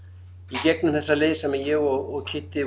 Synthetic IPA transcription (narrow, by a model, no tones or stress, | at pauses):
icɛt̪̚nʏmθɛsːaðlɪːsamɛjɛɔɔɣcʰɪt̪ːɪ